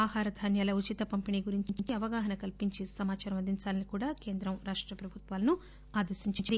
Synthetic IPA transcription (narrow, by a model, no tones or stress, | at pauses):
aːɦaːɾɐd̪ʱaːnjaːlɐut͡ʃit̪ɐpɐmpiniːɡuɾiɲt͡ʃit͡ʃit͡ʃiɐʋɐɡaːɦɐnɐkɐlpiɲt͡ʃisɐmaːt͡ʃaːɾɐmɐd̪iɲt͡ʃaːlɐnikuːɽaːke̞ːnd̪ɾɐmɾaːʂʈɾɐpɾɐbʱut̪ʋaːlɐnu | aːd̪ɐɾʃiɲt͡ʃiɲt͡ʃd̪i